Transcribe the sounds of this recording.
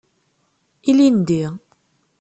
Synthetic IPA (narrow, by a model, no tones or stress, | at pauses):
ilind̪iʁ